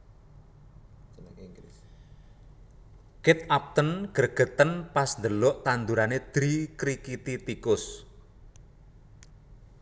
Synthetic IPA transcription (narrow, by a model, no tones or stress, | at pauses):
kɪt̪̚ap̚t̪ənɡ̥ərɡ̥ə̤t̪ənpasnd̪əlɔʔt̪and̪uɾaned̪̥ɾikɾikit̪it̪ikʊs